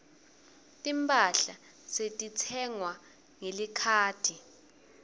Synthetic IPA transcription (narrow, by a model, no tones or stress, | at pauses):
tʼimpʼaɬa | setʼit͡sʰɛŋwa | ŋelikʰaːtʰi